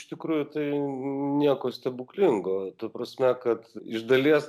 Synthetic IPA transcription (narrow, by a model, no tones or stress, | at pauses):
ɪʃʲt̪ʲɪkɾuːjʊt̪ɐɪnʲiɛkoːsʲt̪ʲɛbʊklʲɪŋɡoːt̪ɐpɾɐsʲmʲɛkɐt̪ɪʒd̪ɐlʲiɛs